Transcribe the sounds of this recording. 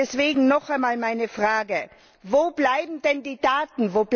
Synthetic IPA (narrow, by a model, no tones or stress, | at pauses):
ɛsv̥eːɡŋ̩nɔχaɪnmaːlmaɪnəfʁ̥aːɡə | voːb̥laɪbm̩dɛndiːdaːtn̩voːb̥l